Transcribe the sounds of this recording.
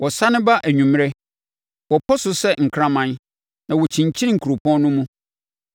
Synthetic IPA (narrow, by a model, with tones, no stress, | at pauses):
wɔ˨sa˦nɪ̃˦ba˦ʔæ˨ɲũ˨m˦ɾɛ˦ | wɔ˨pʰɔ˦sʊ˨sɛ˦ŋ̩˨kʰɾã˦mã˦n | nã˨wɔ˨t͡ɕʰĩ˨ɲ˨t͡ɕʰĩ˦n˦ŋ̩˨kʰu˨ɾo˨pʰɔ̃˦nʊ̃˦mũ˦